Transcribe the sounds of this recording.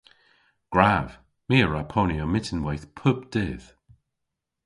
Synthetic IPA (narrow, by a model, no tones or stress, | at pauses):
ɡ̥ɹav̥ | miːəɹapʰɔniəmɪtʰənwɛjθpʰʊbd̪̥ɪð̥